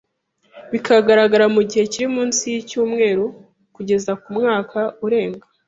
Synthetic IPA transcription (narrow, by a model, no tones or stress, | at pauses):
βikʰaɡaɾaɡaɾamuɟihe̞ciɾimuːnsijicuːmŋe̞ːɾu | kuɟe̞zakumŋaːkʰauɾe̞ːŋɡa